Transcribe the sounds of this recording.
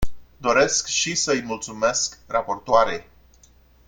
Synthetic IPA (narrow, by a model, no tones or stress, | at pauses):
d̪o̞ɾe̞skʃisəɨjmult̪sume̞skrapo̞rt̪oaɾej